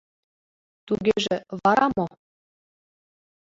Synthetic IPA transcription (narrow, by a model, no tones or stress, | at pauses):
t̪uɣeʒĕβɑɾɑmo